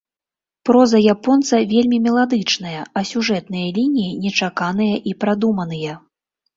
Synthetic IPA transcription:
pɾɔzɐjapɔnt̪sɐvʲelʲmʲimʲɛlˠad̪ɨt͡ʂn̪ɐjɐɐsʲuʐɛt̪nɨjɐlʲinʲijinʲɛt͡ʂakanɨjɐʔipɾad̪umɐnɨjɐ

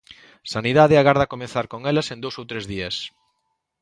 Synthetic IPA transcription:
saniðað̞eaɣaɾð̞akomẽnθaɾkoŋelasend̪owsowt̪ɾezðiɐs

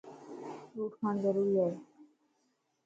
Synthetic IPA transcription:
ɾuʈkand̪eɾulːe

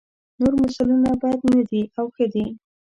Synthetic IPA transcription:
noɾmasulunabɑjad̪nad̪iawxəd̪i

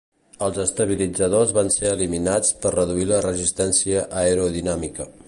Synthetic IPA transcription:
əlˠzəst̪əβ̞ilid͡zəðozβanseəliminat͡spərrəðuilərəzist̪ɛnsiəʔəeɾoðinamikə

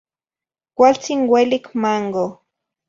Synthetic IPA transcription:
kʷalt͡sinwelikmaŋɡo

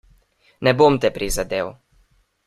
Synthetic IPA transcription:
nɛbomt̪ɛpɾizad̪eːw

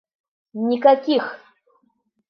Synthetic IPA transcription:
nɪkakʲɪx

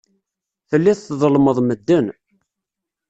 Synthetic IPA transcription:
θəlːiθθðˤəlməðˤməd̪ːən

